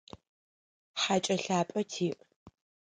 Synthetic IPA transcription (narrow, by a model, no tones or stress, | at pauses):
ħat͡ʃʼɐɬaːpʼɐtʰiːʔʼ